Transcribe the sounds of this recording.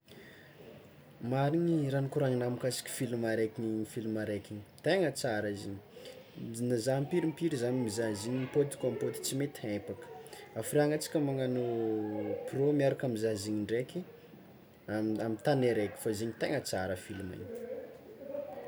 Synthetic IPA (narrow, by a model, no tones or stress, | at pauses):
maɾiɲiranikuɾaŋinamikasi̥kʲi̥filimaɾekʲiniifilmaɾekini̥t̪eŋət͡saɾaiziɲi̥ | nazampiɾimpiɾizanimizaziɲipot̪i̥kʲampot̪i̥t͡simet̪epakə̥afiɾaŋat͡si̥kʲəmaŋanu | promiaɾakamizaziɲiɳɖ͡ʐekʲi | amamit̪aneɾekʲi̥fazeɲit̪eŋət͡saɾəfilima̰ɲ